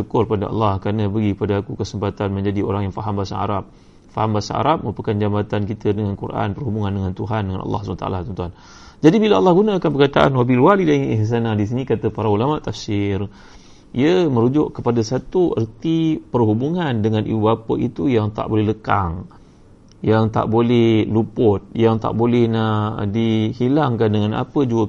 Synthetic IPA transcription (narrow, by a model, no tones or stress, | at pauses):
t͡ʃukʊrpadaɑ̰lːɑhkɾanãbəɡikəpadaːkukəsəmpat̪anmə̃ɲd͡ʒadio̰ɾaŋjaŋfaɦambasa̰a̰ɾap̚ | faɦambasa̰a̰ɾap̚məɾupəkand͡ʒamat̪ankit̪ədəŋankuɾʔa̰npərɦubuŋãndəŋãnt̪uɦandəŋanʔɑ̰lːɑ̰hsant̪a̰lat̪ɔnt̪uɦan | d͡ʒadibilaɑlːɑhɡunãkanpəkat̪aʔa̰nwabilwalidaiŋiʔɦs̬anadis̬inĩkat̪əpaɾaulamaʔt̪afsɪr | ʔiəmə̃ɾud͡ʒʊʔkəpadasat̪uə̰rt̪ipərɦubuŋandəŋanʔḭbuapə̰ʔit̪ujaŋt̪a̰ʔbolɛhləkaŋ | jaŋt̪a̰ʔbolɛhlupʊt̪̚jaŋt̪a̰ʔbolɛhnadihilaŋkandəŋana̰pəd͡ʒuə